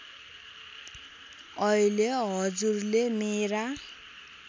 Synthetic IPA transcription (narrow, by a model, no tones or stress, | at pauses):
ʌileɦʌd͡zurlemeɾa